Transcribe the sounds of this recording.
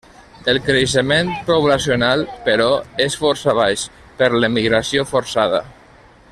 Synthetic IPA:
əlˠkɾəʃ̬əmenpɾoβlasjonalˠpəɾɔesfɔɾsaβajʃ | pəɾləmiɣɾasiofoɾsaðə̰

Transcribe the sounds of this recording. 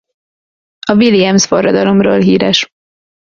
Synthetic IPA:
ɒviliɛmsfo̞rːɒd̪ɒlo̞mro̰ːlɦiːɾɛʃ

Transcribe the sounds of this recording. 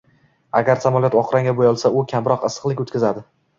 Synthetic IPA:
aɡʲaɾsamɒljɒt̪ɒqɾaŋʲabojɒlˠsaʊkʲʰamɾɒqɨsɨ̥qlˠɪkʲot̪kʲazad̪ɪ

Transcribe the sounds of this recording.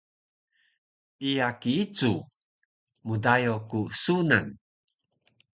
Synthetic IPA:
ijakiit͡su | mudajokusuna̰n

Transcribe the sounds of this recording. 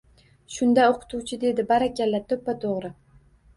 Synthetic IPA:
ʃʊnd̪aoqʰɨ̥t̪ʰuwt͡ʃʰɪd̪e̞d̪ɪbaɾakʲʰalːat̪ʰɵpːat̪ʰoʁɾɪ

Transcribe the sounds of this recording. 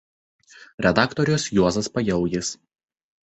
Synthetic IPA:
ɾʲɛd̪ɑˑkt̪ɔɾʲʊsjuɔzɐspɐjɛʊjɪs

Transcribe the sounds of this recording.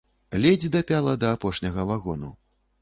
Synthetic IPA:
lʲɛd͡zʲd̪ɐpʲalˠɐd̪ɐːpɔʂnʲɐɣɐvaɣɔnṵ

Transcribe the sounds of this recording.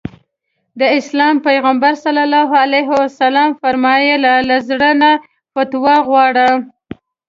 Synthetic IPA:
d̪əɪslɑmpajɣambaɾsalalɑɦalajɦɪwasalɑmfaɾmɑjelalazɽəna | pat̪waɣwɑɽə

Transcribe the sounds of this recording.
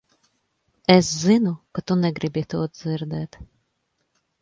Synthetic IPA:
eszinukat̪unɛɡɾibit̪uːt̪̚d̪ziɾd̪ɛːt̪

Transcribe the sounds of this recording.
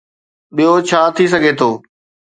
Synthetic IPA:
ɓijot͡ɕʰaːt̪ʰis̬ɐɡʱet̪ʰoː

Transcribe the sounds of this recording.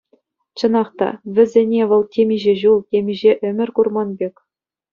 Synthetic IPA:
t͡ɕɤ̆nɑχt̪ɑ̰ʋʲɘ̆zʲenʲeʋɤ̆lˠtʲemʲiʑeʑulˠtʲemʲiʑeʔɘ̆mʲɘ̆rʲkurmɑnbʲekʲ

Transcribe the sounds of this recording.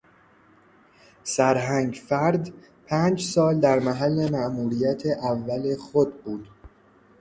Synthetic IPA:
sæɾɦæŋɡfæɾd̪ | pʰæːnd͡ʒsɒːld̪æɾmæɦælːe̞mæʔmuːɾijæt̪ʰeʔævːæle̞xod̪̚buːd̪̥

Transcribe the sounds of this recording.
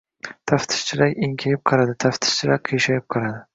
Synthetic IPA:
t̪ʰaft̪ʰɪ̥ʃt͡ʃʰɪɾakʲɪŋkʲʰajɪp̚qʰɑɾad̪ɪt̪ʰaft̪ʰɪ̥ʃt͡ʃʰɪɾak̚ʲqʰijʃajɪp̚qʰɑɾad̪ɪ

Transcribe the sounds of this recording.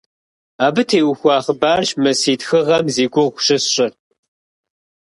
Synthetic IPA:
aːbɨtʰeːwxʷɑːχəbaːɕmɐsiːtxɨʁɐmziːɡʷʊʁʷɕɪɕɕʼɪr

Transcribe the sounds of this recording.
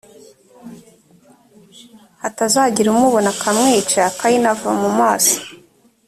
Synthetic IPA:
atazaɟiɾumuβonakʰamŋiːt͡ʃakajinava̰mumaːso̥

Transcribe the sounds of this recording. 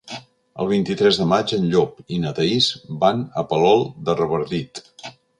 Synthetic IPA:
ə̰lˠβ̞int̪it̪ɾɛzðəmad͡ʒənʎopinət̪əizbanəpəlɔlˠd̪ərəβəɾðit̪

